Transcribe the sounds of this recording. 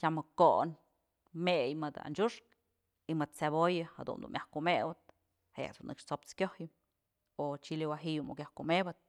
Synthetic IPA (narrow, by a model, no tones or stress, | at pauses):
tʲamɨkoʔn | mejmɨd̪a̰nd͡ʒuʂk | imɨd̪̚t͡sebojɨha̰d̪ṵnd̪ṵnmʲjʔahkumewɨt̪̚ | heja̰d̪unʔɨkʂt͡sop̚t͡skʲohjɨm | ot͡ʃiliwaɦijumukʲjahkumebɨt̪̚